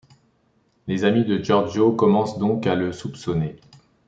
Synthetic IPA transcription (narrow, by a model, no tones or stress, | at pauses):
lezamid̪əʒɔʁd͡ʒokɔmɑ̃sd̪ɔ̃kaləsupsɔne